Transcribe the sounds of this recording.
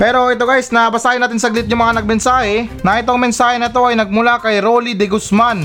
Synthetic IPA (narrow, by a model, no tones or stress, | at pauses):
pɛːɾo̞ʔɪt̪o̞ɡajsnɐbɐsaːjɪnaːt̪ɪnsɐɡlɪt̪̚ɲʊŋmɐŋanɐɡ̚mɛnsaːhɛnɐʔɪt̪oɐŋmɛnsaːhɛnɐt̪o̞ʔɐjnɐɡ̚mʊlakɐjɾolid̪ɛɡʊsman